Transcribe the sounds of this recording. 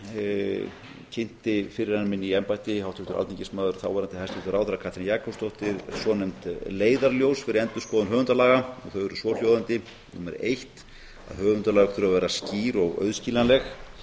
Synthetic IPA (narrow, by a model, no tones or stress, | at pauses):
cʰɪn̥t̪ɪfɪɾɪɾanːmɪnːiɛmpajt̪ɪɦawt̪ʰɪht̪ʏɾʔa̰t̪icɪsmaːðʏɾθawvaɾant̪ɪhajst̪ʰɪht̪ʏɾaːwθɪɾakʰaht̪ʰɾɪnjaːkʰɔwst̪owht̪ɪɾsvɔnɛmt̪leːjðaɾljowsfɪɾɪɾɛnt̪ʏ̥skɔːðʏnɦœːvʏnt̪alaːɣaɔɣθœɥvɛɾʏsvɔl̥jowðant̪ɪ | nṵmɛ̰ɾḛjht̪ | a̰ðhœːvʏnt̪alaːɣʏkt̪ʰʏɾavɛːɾasciːɾɔɣœ̰ɥðsciːlanlɛx